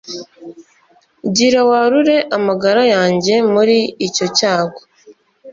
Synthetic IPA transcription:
ɟiɾawaɾuɾe̞ʔamaɡaɾajaːɲɟe̞muɾiːco̞caːɡo

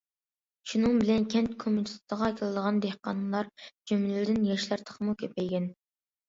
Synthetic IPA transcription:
ʃunɨŋbɪlɛnkʲʰɛnt̪kʰomunist̪ʰəʁɑkʲʰilˠɨd̪əʁɑnd̪ehqɑ̰nɨlˠɑɾd͡ʒymlɪd̪ɪnjɛʃlæɾt̪ʰə̥χmukʲʰøpʰɛjɡʲɛn

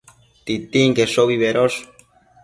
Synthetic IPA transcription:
t̪it̪iŋkeʂoβiβeɾoʂ

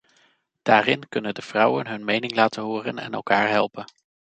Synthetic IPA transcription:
d̥aːrɪnkɵnəndəv̥rʌwənɦɵnmejnɪŋlaːtənɦoːrənɛ̰nɛ̰lˠkaːɹɦɛlˠpən

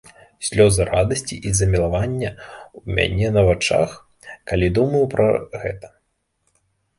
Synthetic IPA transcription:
sʲlʲɔzɨɾad̪ɐsʲt͡sʲiʔizɐmʲilˠavanʲːɐwmʲa̰nʲɛnɐvat͡ʂa̰x | kalʲid̪umɐjupɾɐ̰ɣɛt̪ɐ̥

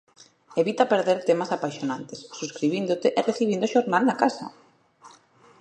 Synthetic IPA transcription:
eβit̪apeɾðeɾt̪emasapaʃonãnt̪esːuskɾiβind̪ʊt̪eʔereθiβind̪ʊʃoɾnalnakasɐ̰

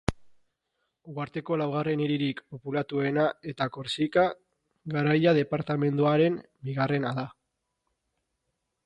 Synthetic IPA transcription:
ɡwaɾt̪e̞ko̞lawɣ̞are̞niɾiɾikpo̞pulat̪ue̞nae̞t̪ako̞ɾsika | ɣaɾajað̞e̞paɾt̪ame̞nd̪uaɾe̞m | biɣ̞are̞naða

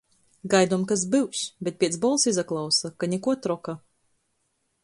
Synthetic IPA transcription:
ɡajd̪uɔmkas̬bɨwsʲbʲet̪̚pʲiɛsbɔlˠsizaklˠawsakanʲɛkuɔt̪ɾɔka

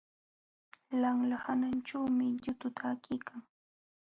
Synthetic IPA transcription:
laŋlahananʈ͡ʂawmɪʎʊt̪ʊt̪ʰaːkɪjkʰaŋ

